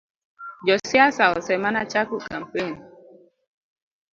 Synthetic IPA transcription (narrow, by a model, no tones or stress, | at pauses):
d͡ʒɔsiasaɔsɛmanat͡ʃakukam̩peni